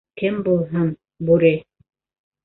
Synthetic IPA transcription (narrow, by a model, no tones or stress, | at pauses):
kɘmbulˠɦɤn | bʉɾɘ